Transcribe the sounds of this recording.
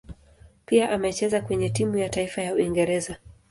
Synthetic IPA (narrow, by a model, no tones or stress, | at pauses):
piaʔamɛt͡ʃɛzakwɛɲɛtimujataifajauiŋɡɛɾɛza